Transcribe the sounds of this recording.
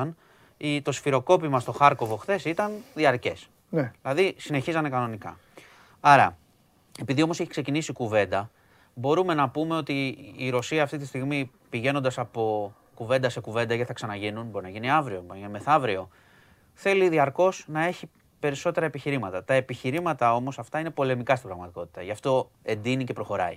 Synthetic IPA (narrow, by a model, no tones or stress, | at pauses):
ɐn | it̪o̞sfiɾo̞ko̞pimɐst̪o̞xɐɾko̞vo̞xθe̞sit̪ɐnðiɐɾce̞s | nðilɐðisine̞çizɐnekɐno̞nikɐ̰ | ɐɾɐ̰ | e̞piðiomo̞seçi̥kse̞cinisikuve̞nd̪ɐ | bo̞ɾume̞nɐpume̞o̞t̪iːɾo̞siɐːft̪it̪ist̪iɣmi | piʝe̞no̞nd̪ɐsɐpo̞ | kuve̞nd̪ɐse̞kuve̞nd̪ɐʝeiθɐksɐnɐʝinunbo̞ɾinɐʝiniɐvɾio̞inmeθɐvɾio̞ | θe̞liðiɐɾko̞snɐe̞çi | pe̞ɾiso̞t̪eɾɐe̞piçiɾimɐt̪ɐt̪ɐe̞piçiɾimɐt̪ɐo̞mo̞sɐft̪ɐine̞po̞le̞mikɐst̪ibɾɐɣmɐt̪iko̞t̪i̥t̪ɐʝɐft̪o̞ | e̞nd̪inicepɾo̞xo̞ɾɐ̰i